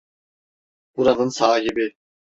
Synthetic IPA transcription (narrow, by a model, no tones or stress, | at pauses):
b̥uɾanɯnsaːɦibi